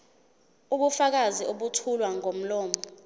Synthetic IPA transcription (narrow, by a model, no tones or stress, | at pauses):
uɓufak̬aziʔoɓutʰulwaŋom̩lɔːmɔ